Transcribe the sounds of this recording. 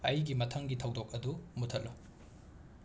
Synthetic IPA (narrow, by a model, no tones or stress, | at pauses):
ɐjɡimɐtʰɐŋɡitʰɐwdok̚ɐdumutʰɐlːu